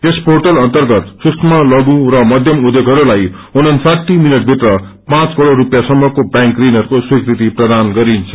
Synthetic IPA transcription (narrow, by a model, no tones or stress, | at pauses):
esporʈʌlʌnt̪ʌrɡʌt̪susʰmʌlʌɡũrʌmʌd̪ʱjʌmud̪jeɡʱʌɾulaj | unʌnsaʈ̪ːiminʌʈ̚bʱit̪rʌ | pãt͡skʌɽorupjasʌmːʌkobjãŋkrinʌɾukoswikrit̪iprʌd̪anɡʌɾint͡sʰʌ̥